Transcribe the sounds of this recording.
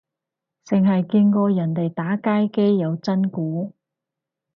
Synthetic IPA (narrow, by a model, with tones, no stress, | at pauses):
t͡sɪ˨ŋɦɐ˨jki˧nkɔː˧jɐ˨˩nt̪e˨jt̪aː˨˥kaː˥jke˥jːɐ˨˧wt͡sɐ˥nkuː˨˥